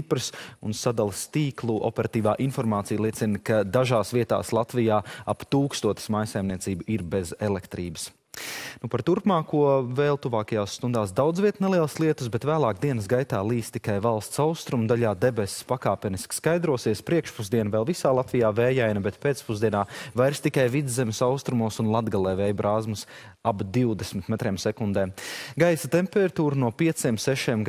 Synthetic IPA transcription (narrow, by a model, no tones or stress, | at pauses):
ipɾɨsunsad̪alˠst̪iːklˠuʔo̰pɛɾat̪iːvaːʔinfɔɾmaːt̪sijlˠiɛsinkad̪aʒaːsviɛt̪a̰ːslˠat̪vijaːapt̪uːkst̪uɔt̪ɪ̥smajsajmniɛsiːbuiɾbɛzɛlˠɛkt̪ɾiːbə̥s | nupaɾt̪uɾpmaːkuɔvɛːlˠt̪uvaːkɐjaːsːt̪und̪aːsd̪awd̪zviɛt̪nelˠiɛlˠslˠiɛt̪u̥sbɛt̪væːlˠaːkd̪iɛnəsɡajt̪aːlˠiːst̪ːi̥kajvalˠst̪saʊst̪ɾumd̪aʎaːd̪ɛbɛsspakaːpɛnisskajd̪ɾuɔsiɛspɾiɛkʃpuzd̪iɛnvɛːlˠvisaːlˠat̪vijaːvɛːjajnɐbɛt̪peːt̪spuzd̪iɛnaːvajɾst̪ikajvid̪zzːɛmɪsawst̪ɾumuɔsunlˠad̪ɡalˠɛːvɛːjbɾʔaːzmʊs | abd̪iwd̪ɛsmit̪mɛt̪ɾɛːmsɛkund̪ɛːmɡajsat̪ɛmpɛɾat̪uːɾnuɔpiɛt̪siɛmsɛʃiɛmɡ